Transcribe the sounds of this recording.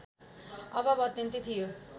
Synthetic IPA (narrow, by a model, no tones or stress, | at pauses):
ʌbʌbʌːt̪jʌnt̪it̪ʰijo